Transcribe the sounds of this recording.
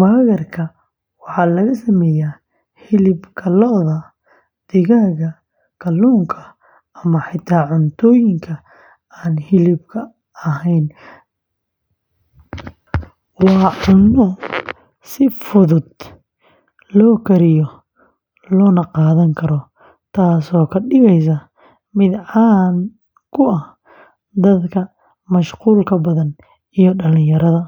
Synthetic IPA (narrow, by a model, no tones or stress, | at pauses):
waːɣɐrkʰɐ | wɑħɑːlɐɣɐsɐmɛːjaː | hɪlɪbkʰɐlɔðɐ | d̪̥ɪɣaːɣɐ | kʰɐlːuːŋkʰɐ | ɐmɐħɪt̪ʰaːʕʊnt̪ʰɔːjɪŋkʰɐ | aːnhɪlɪbkʰɐ | ɐɦɛjn | wɑːʔʊnɔ | sɪfʊðʊd̪ | lɔːkʰɐɾɪjɔ | lɔːnɐqɑːðɐŋkʰɐɾɔ | t̪ʰaːsɔːkʰɐɗɪɣɛjs̬ɐ | mɪd̪ʕɑːn | kʰʊɐh | d̪ɐd̪kʰɐ | mɐʃquːlkʰɐbɐðɐn | ijɔɖɐlɪ̃jɐɾɐðɐ